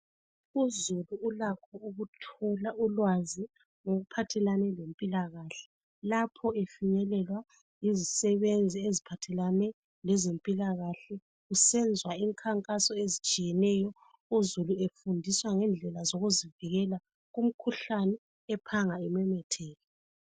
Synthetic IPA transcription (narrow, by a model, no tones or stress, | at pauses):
uzuluːlakʰɔuɣutʰɔlaulwazi | ŋoɣupʰatʰɛlanɛlempʼilaɣaɬɛ̥ | lapʰɔefiɲɛlɛlwa | jizisɛβend͡zʱiezipʰatʰɛlanɛ | lɛzempʼilaɣaɬɛ | usɛnd͡zʱwaiŋkʰaŋkʼasɔezit͡ʃʼijɛnɛjɔ | uzuluefundʱiswaŋɛnd͡ɮʱɛlazoɣuziviɣɛla | ɣum̩kʰuɬanɛː | pʰaŋaimɛmɛtʰɛːlɛ